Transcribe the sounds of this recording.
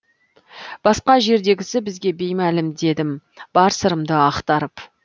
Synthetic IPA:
b̥ɑsqɑʒe̞ɾd̪e̞ɡʲɪsɪbɪzɡʲe̞be̞jmælɪmd̪e̞d̪ɪmb̥ɑɾsəɾəmd̪əɑqt̪ɑɾəp

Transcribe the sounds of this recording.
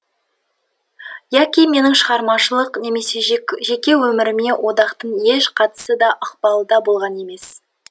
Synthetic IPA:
jækʲijme̞nɪŋʃəʁɑɾmɑʃəlˠəqne̞me̞se̞ʒe̞kʲe̞wɵmɪɾɪme̞wʔo̞d̪ɑqt̪əɴje̞ʃqʰɑt̪ə̥səd̪ɑʔəq̚pɑlˠəd̪ɑbo̞lˠʁɑne̞me̞s

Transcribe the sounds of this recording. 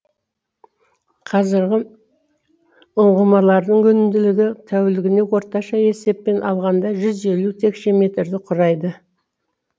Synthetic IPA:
qʰɑzɪɾɡʲɪ | ʊɴʁəmɑlˠɑɾd̪əɴkɵnɪmd̪ɪlɪɡʲɪt̪ʰæwɪlɪɡʲɪne̞wo̞ɾt̪ɑʃɑe̞se̞pːe̞nʔɑ̰lˠʁɑnd̪ɑʒʏze̞lut̪ʰe̞kʃemʲe̞t̪ɾd̪ɪqʰʊɾɑjd̪ə

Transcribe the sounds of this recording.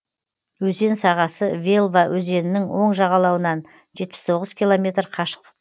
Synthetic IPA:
wɵze̞nsɑʁɑsəvʲe̞lˠvawʔɵze̞nɪnɪŋwo̞ɴʒɑʁɑlˠɑwənɑn | ʒe̞t̪̚pɪ̥st̪ʰo̞ʁəzkʲʰilˠo̞mʲe̞t̪rqʰɑʃə̥q̚t̪ə

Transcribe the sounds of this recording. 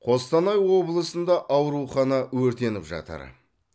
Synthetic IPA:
qʰo̞st̪ɑnɑjwo̞blˠəsənd̪ɑʔɑwɾuχɑnɑwɵɾt̪e̞nɪpʒɑ̰t̪ə̰ɾ

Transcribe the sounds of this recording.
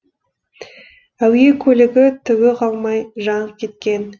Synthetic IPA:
æwje̞kʲʰɵlɪɡʲɪt̪ʰʏwɪqʰɑlˠmɑjʒɑɴəp̚kʲʰe̞t̪̚kʲe̞n

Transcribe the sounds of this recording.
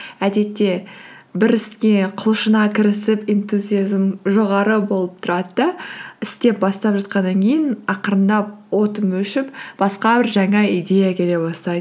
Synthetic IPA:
æd̪e̞t̪ːe̞ | bɪɾɪskʲe̞qʰʊlˠʃənɑkʲʰɪɾɪsɪpent̪uzʲijazmʒo̞ʁɑɾəbo̞lˠəp̚t̪ʰʊɾɑd̪əd̪ɑɪst̪e̞p̚bɑst̪ɑpʒɑt̪̚qɑnːɑŋkʲʰe̞jɪnɑqəɾənd̪ɑp̚wo̞t̪əmɵʃɪpb̥ɑsqɑbɪɾʒæŋɑid̪e̞jakʲʰe̞le̞bɑst̪ɑjd̪ə

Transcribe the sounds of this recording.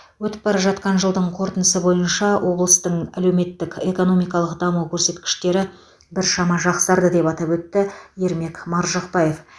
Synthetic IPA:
wɵt̪ɪ̥p̚bɑɾɑpʒɑt̪̚qɑnʒəlˠd̪əɴqʰo̞ɾt̪ənəsəbo̞jənʃɑwʔo̞blˠəst̪əɴæle̞wme̞t̪ːɪkʲe̞ko̞no̞mijkɑlˠəqd̪ɑmuwkʲʰɵɾse̞t̪kʲɪ̥ʃt̪e̞ɾɪ | bɪɾʃɑmɑʒɑqsəd̪ɑɾd̪əd̪e̞pɑt̪ɑpwɵt̪ːɪje̞ɾme̞kmɑɾʒɑqpɑjef

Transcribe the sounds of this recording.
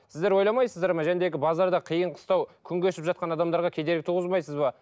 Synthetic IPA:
sɪzd̪eɾwo̞jlˠɑmɑjsəzd̪ɑɾmɑʒænd̪e̞ɡʲɪbɑzɑɾd̪ɑqʰijəɴqʰə̥st̪ɑwkʲʰʏŋɡʲeʃɪpʒɑt̪̚qɑnɑd̪ɑmd̪ɑɾʁɑkʲʰe̞d̪eɾɪkɪt̪ʰuʁəzmɑjsəzbɑ

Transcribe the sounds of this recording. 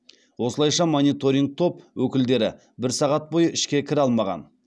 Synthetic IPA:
wo̞səlˠɑjʃɑmonijt̪o̞ɾʲiŋk̚t̪ʰo̞pwɵkʲɪld̪e̞ɾɪ̰ | bɪɾsɑʁɑt̪̚bo̞jəʔɪʃkʲe̞kʲʰɪɾɑlˠmɑʁɑ̰n

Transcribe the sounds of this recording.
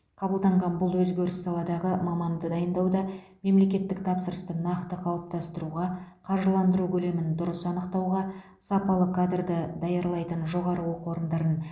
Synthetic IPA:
qʰɑbəlˠd̪ɑɴʁɑnbʊlˠwɵzɡʲe̞ɾɪssɑlˠɑd̪ɑʁəmɑmɑnd̪əd̪ɑjənd̪ɑwd̪ɑ | me̞mle̞kʲe̞t̪ːɪk̚t̪ʰɑpsəɾəst̪ənɑqt̪əqʰɑlˠp̚t̪ɑst̪əɾuʁɑqʰɑɾʒəlˠɑnd̪əɾukʲʰɵle̞mɪnd̪ʊɾəsɑnəqt̪ɑwʁɑ | sɑpɑlˠəkʰad̪rd̪əd̪ɑjɑɾlˠɑjt̪ənʒo̞ʁɑɾəwo̞qwo̞ɾənd̪ɑɾən

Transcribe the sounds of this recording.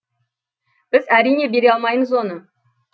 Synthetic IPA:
b̥ɪzæɾijne̞be̞ɾeɑlˠmɑjməzwo̞nə

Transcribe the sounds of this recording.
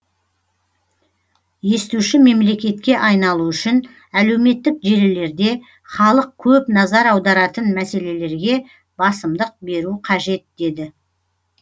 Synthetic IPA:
je̞st̪uʃɪme̞mle̞kʲe̞t̪̚kʲe̞ʔɑjnɑlˠuʏʃɪn | æle̞wme̞t̪ːɪkʒe̞lɪle̞ɾd̪e̞ | χɑlˠəq̚kʲʰɵpnɑzɑɾɑwd̪ɑɾɑt̪ənmæse̞le̞le̞ɾɡʲe̞ | bɑsəmd̪əq̚be̞ɾuqʰɑʒe̞t̪̚d̪e̞d̪ɪ

